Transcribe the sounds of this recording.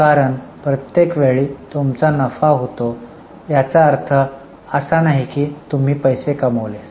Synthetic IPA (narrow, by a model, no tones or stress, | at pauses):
kaɾəɳpɾət̪jekʋeɭiːt̪umt͡sanəfaɦot̪o | jat͡saəɾt̪ʰə | əsanaɦikiːt̪um̤iːpəjsekəməʋles